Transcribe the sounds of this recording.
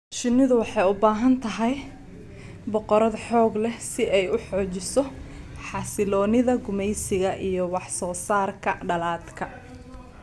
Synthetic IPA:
ʃɪnɪðʊwɑħɑjʊbaːɦɐnt̪ʰɐɦɛj | bɔqɔɾɐðħɔːɡlɛsɪʔɛjʊħɔːt͡ʃɪsɔ | ħɑsɪlɔːnɪðɐɡʊmɛjsɪɣɐʔijɞwɑħsɔːsaːrkʰɐɖɐlaːd̪kʰɐ

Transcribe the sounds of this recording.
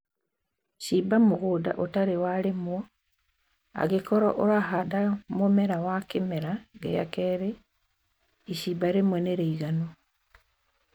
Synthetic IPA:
ʃibamoɣoda̰ʔotaɾewaɾemwɔ | a̰ɣekɔɾɔ̰ʔoɾaɦadamomɛɾawakemeɾaɡḛja̰kɛɾe | iʃibaɾemwɛneɾeiɣano

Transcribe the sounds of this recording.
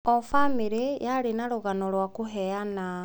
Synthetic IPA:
ofamiɾejaɾenaɾuɣanolwakuɦɛana

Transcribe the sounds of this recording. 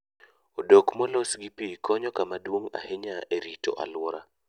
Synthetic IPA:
odokmɔlosɡipikɔɲɔkamadwoŋa̰heɲaʔeɾito̰ʔa̰lwɔɾa

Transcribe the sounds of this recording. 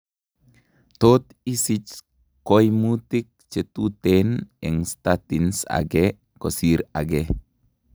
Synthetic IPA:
t̪ot̪ | isit͡ʃ | kojmut̪ik̚t͡ʃet̪ut̪eneŋst̪at̪insa̰ɡe | kosiɾa̰ɡe

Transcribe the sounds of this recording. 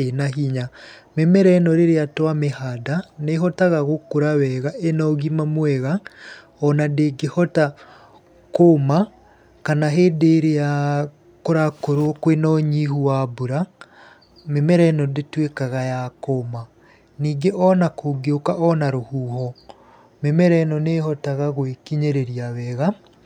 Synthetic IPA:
enaɦiɲamemɛɾɛnɔɾeɾeatwamehadaneɦɔtaɣaɣokoɾawɛɣaʔenɔɣimamwɛɣa | ɔnadeɡehɔta | koma | kanaɦeːdeɾea | koɾakoɾokwenɔɲihuwabuɾa | memɛɾɛnɔdetwekaɣajakoma | niːɡeʔɔnakoɡeokaʔɔnaɾohuːhɔ | memɛɾɛnɔnehɔtaɣaɣwekiɲeɾeɾiawɛːɣa

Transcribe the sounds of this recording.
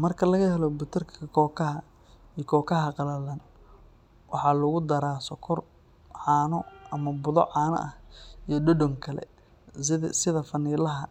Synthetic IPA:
mɐrkʰɐlɐɣɐɦɛlɔbʊt̪ʰɐrkʰɐkʰɔːkʰɐhɐ | iːkʰɔːkʰɐɦɐqɑlɐlɐn | wɑħɑlʊɣʊd̪ɐɾaːsɔkʰɔr | ʕɑːnɔɐmɐbʊðɔ̰ʕɑːnɐ̰ʔɐhijɞɖɔɖɔŋkʰɐlɛ̰ | sɪðɐfɐniːlɐɦɐ

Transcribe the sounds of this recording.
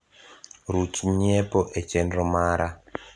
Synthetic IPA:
rut͡ʃiɲepoʔet͡ʃenromaːɾʔa

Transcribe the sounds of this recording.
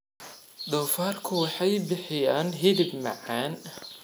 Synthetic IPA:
d̪ɔːfaːrkʰʊwɑħɑjbɪħɪjaːnɦɪðɪbmɑ̰ʕaːn

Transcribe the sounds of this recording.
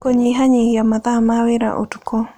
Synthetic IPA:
koɲiɦaɲɪhjamatamawɪɾa̰ʔo̰tukɔ

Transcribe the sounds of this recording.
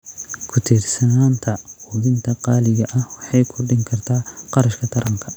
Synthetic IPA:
kʰʊt̪ʰɪrsɐnaːnt̪ʰɐhʊðɪnt̪ʰɐqɑːlɪɣɐʔɐhwɑħɑjkʰʊɖɪŋkʰɐrt̪ʰaːqɑɾɐʃkʰɐt̪ʰɐɾɐŋkʰɐ

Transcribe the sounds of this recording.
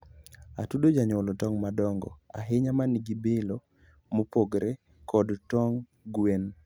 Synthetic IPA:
a̰tudod͡ʒaɲɔlɔtɔŋmadɔŋɡɔ̰a̰ɦɪɲamaniɡibelo | mopoɡɾe | kɔdtɔŋ | ɡwen

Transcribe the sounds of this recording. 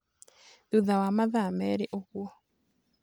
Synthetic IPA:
ðuðawamaðamɛɾeʔoɣuɔ

